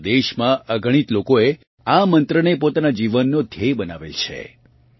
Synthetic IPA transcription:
d̪eʃmãʔəɡʱəɽ̃it̪lokoe | amənt̪ɾənepot̪anad͡ʒiʋənːod̪ʱebəna̰ʋḛlt͡ʃʰḛ

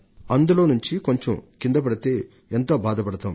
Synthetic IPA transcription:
ɐnd̪uloːnuɲt͡ʃiko̞ɲt͡ʃomkind̪ɐp̬ɐɽɐt̪e̞ː | ent̪oːbaːd̪ɐpɐɽɐt̪aːm

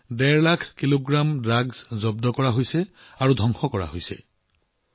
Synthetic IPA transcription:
dɛɹlakʰkiloɡɹamdɹaɡz̥zɔbdɔkɔɹaɦojsɛ | aɹudʱɔŋxɔkɔɹa̰ɦojsɛ̰

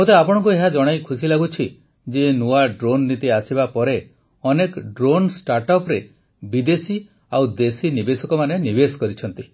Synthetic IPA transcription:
mot̪eapɔɽ̃ɔ̃ŋkueɦad͡ʒɔɽ̃ajkʰusilaɡut͡ʃʰi | d͡ʒenoaɖɾonːit̪iasibapɔɾe | ɔnekɖɾonsʈaɾʈɔpɾe | bid̪esi | awd̪esinibesɔkɔmanenibesɔ̥kɔɾit͡ʃʰɔnt̪i

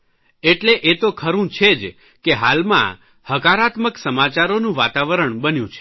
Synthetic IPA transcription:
eʈleʔet̪okʰəɾũt͡ʃʰed͡ʒ | keɦalmã̰ | həkaɾat̪məksəmat͡ʃaɾonũʋa̰t̪aʋəɾəɳbənjũt͡ʃʰe̥

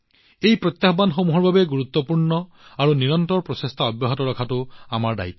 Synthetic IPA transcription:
ejpɹɔt̪jabanxomuɦɔɹbʱabeɡuɾut̪ːɔpuɹnɔ | aɾuniɾɔnt̪ɔɹɔpɹɔsest̪ʰaɔbjɔɦɔt̪ɔɾɔkʰatuamaɹda̰it̪ːɔ̥

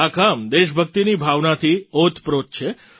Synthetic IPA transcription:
akamd̪eʃbʱək̚t̪inibʱaʋnat̪ʰiot̪ʰpɾot̪̚t͡ʃʰe

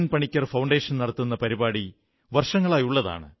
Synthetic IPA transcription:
npɐɳikʲːɐrfɐwɳɖe̞ːʂɐnnɐɽɐt̪ːunːɐpɐɾibaːɽi | ʋɐrʂɐŋːɐɭaːjuɭːɐða̰ːɳɨ̰

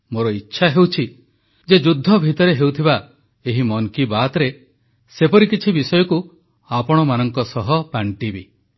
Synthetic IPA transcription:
moɾɔitːʃʰaɦewt͡ʃʰi | d͡ʒed͡ʒud̪ʱːɔbʱit̪ɔɾeɦewt̪ʰiba | eɦimɔŋkibat̪ɾe | sepɔɾikit͡ʃʰibisɔjɔku | apɔɽ̃ɔmanɔŋkɔsɔɦɔpaɳʈibi

